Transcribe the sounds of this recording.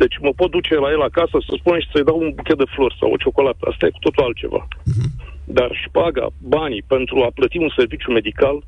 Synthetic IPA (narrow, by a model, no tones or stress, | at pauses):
d̪̥e̞t͡ʃʲməpo̞t̪̚d̪ut͡ʃe̞laje̞lakasəsəspuneʃi̥səjd̪awunbukʲe̞t̪̚d̪e̞flo̞rsa̰wo̰t͡ʃo̞ko̞lat̪əa̰st̪aje̞ku̥t̪o̞t̪ulalt̪̚t͡ʃe̞̰va̰ | d̪arʃpaɡa̰banipe̞nt̪ɾuaplət̪iunse̞rvit͡ʃʲjume̞d̪ikal